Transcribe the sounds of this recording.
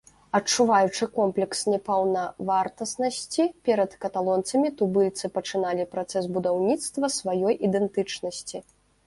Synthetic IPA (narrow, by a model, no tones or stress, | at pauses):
ɐt͡ʂuvajut͡ʂɨkɔmplʲɛksnʲɛpɐwnɐvart̪ɐsnɐsʲt͡sʲipʲɛɾɐt̪kɐt̪alˠɔnt̪sɐmʲit̪ubɨlʲt̪sɨpɐt͡ʂɨnalʲipɾat̪sɛs̬bud̪awnʲit̪st̪vɐsvajɔjʔid̪ɛnt̪ɨt͡ʂnɐsʲt͡sʲi